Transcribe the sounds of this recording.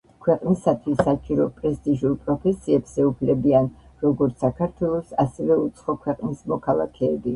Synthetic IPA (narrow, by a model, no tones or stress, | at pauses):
kʰwɛqʼnisat̪ʰwisat͡ʃʼiɾɔpʼɾɛst̪ʼiʒulpʼɾɔpʰɛsiɛbz̥ɛupʰlɛbianɾɔɡɔɾt̪sʰakʰaɾt̪ʰwɛlˠɔsasɛvɛut̪sʰχɔkʰwɛqʼnismɔkʰalˠa̰kʰɛːbi